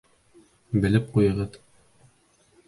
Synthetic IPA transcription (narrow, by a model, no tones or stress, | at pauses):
bɘ̆lɘp̚qujɤ̆ʁɤð